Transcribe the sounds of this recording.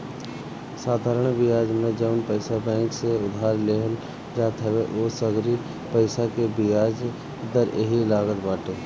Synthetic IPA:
saːd̪ʱaːɾəɽ̃bɪjaːd͡ʒmẽd͡ʒəʊnpəɪsabɛ̃ːŋkseʊd̪ʱaːɾleɦəl | d͡ʒaːt̪ɦɛweʔoːsəɡɾi | pəɪsakebijaːd͡ʒ | d̪əɾeɦilaːɡət̪baːʈeː

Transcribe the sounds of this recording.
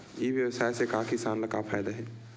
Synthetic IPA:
eʋjɐʋsaːjsekaːkisaːnlɐkapʰaːjd̪aɦɛː

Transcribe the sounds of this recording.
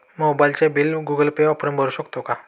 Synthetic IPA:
mobajlt͡ɕẽbilɡuɡəlpeʋapəɾəmbʱəɾuɕəkt̪oka

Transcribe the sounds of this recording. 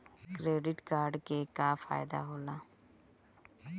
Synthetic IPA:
kɾeːɖɪʈkaːɾɖkeːkaːfʰa̰ːjɪd̪a̰ːɦoːlaː

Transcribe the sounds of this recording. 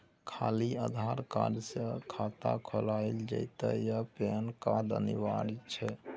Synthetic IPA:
kʰa̰liəd̪ʱaɾka̰ɾsəkʰat̪a̰kʰɔlaɪld͡ʒə̰ɪt̪əjəpenkad̪ə̰niʋaɾit͡ʃʰɛ

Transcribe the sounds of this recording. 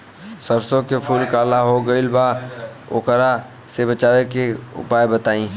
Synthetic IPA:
səɾsõkepʰuːlkaːlaɦoɡəɪlba | ʊ̰kəɾa | sebət͡ʃaːʋekeʊ̰paːebət̪aːĩː

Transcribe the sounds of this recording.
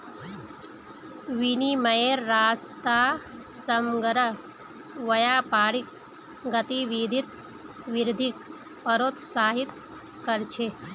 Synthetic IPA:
ʋiniməjeɾːaːst̪aːsəmɡəɾə | ʋɐjaːpaːɽik̚ | ɡət̪iʋid̪ʱit̪̚ | ʋiɾd̪ʱik | pəɾoːt̪saːɦit̪ | kəɾt͡ʃʰe

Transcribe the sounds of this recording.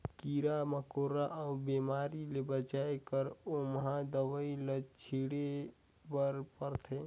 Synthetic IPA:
kiɾaməkoɾaʔaubemaːɾilebət͡ʃajekəɾoməɦãd̪əʋəiləd͡ʒt͡ʃʰiɽe | bəɾpəɾt̪ʰe

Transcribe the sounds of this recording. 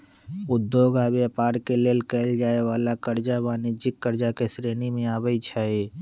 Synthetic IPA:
ʊd̪ːoːɡaːbeapaːɾkeleːlkɛːld͡ʒaːeʋaːlakəɾd͡ʒabaːnid͡ʒɪkːəɾd͡ʒakesɾeːnimẽaːbəit͡ʃʰaːe

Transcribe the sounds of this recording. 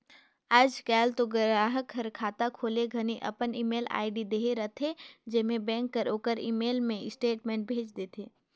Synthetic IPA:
aːd͡ʒkɛːlt̪oɡəɾaːɦəkɦɐɾkʰːaːt̪akʰoːleɡʱɐniʔɐ̰pəniːmeːla̰ːɪɖid̪eːɦeɾɐt̪ʰed͡ʒɪɦmẽbɛ̃ːŋkːəɾoːkəɾḭːmeːlmẽɪsʈeːʈmẽːɳʈ̚bʱeːt͡ʃd̪eːt̪ʰeː

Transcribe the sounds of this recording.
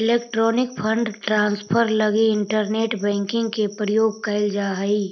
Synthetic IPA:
ɪleːkʈɾoːnɪk̚pʰə̃ɳɖʈɾãːnspʰəɾləɡiɪ̃ɳʈəɾneːʈbɛ̃ːŋkɪ̃ŋɡkepɾəjoːɡ̚kəɪld͡ʒaːɦəi

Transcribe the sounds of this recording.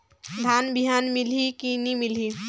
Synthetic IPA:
d̪ʱaːnbiɦaːnmɪlikinimɪli

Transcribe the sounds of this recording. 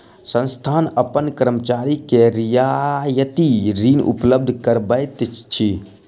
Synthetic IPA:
sə̃nst̪ʰaːnəpənkəɾəmət͡ʃaːɾikeɾijajət̪iɾiːnʔṵpləb̚d̪ʱkəɾbəjt̪t͡ʃʰi

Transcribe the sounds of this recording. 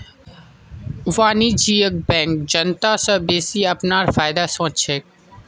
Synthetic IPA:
ʋaːnid͡ʒiːək̚bɛ̃ːŋk̚d͡ʒənt̪asəbeːsiɐpnaːɾfaːɪd̪asõːt͡ʃʃʰeːk

